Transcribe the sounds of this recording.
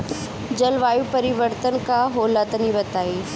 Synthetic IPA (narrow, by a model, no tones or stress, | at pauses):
d͡ʑɐlʋaːjupɐɾɪʋəɾt̪ənkaɦoːlat̪ənibɐt̪aːiː